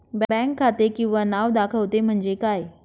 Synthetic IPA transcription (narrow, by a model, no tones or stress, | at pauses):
bbɛ̃kʰːaːt̪ekĩw̃ʋanaːʋd̪akʰəʋt̪em̤əɳd͡zekaːe